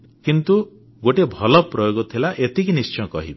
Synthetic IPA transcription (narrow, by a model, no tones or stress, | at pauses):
kint̪u | ɡoʈebʱɔlɔpɾɔjoɡɔt̪ʰilaʔet̪ikinist͡ʃɔjkɔ̰ɦibe